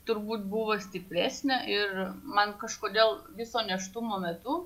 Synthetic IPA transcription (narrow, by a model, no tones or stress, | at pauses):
t̪ʊɾbuːt̪̚buʋoːsʲt̪ʲɪpʲɾʲæːsʲnʲɛʔɪrmɐnkɐʃkoːd̪ʲeːlˠʋʲɪsoːnʲɛʃt̪ʊmoːmʲɛt̪ʊ